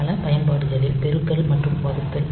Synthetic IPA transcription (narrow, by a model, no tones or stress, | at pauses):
lɐpɐjɐnpaːɽɯsɐðɪlpɛɾɯk̪ːɐlmɐʈrɯmpaːðɯt̪ːɐl